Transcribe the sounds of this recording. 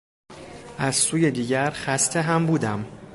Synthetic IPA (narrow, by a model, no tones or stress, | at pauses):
ʔæz̥suːjed̪iːɟæɾxæst̪ʰeɦæmbuːd̪æm